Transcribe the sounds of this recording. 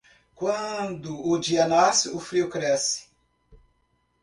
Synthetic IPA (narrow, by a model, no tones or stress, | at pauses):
kwɐ̃d̪ʊːd͡ʒiɐnasɪʊfɾiʊkɾɛsɪ̥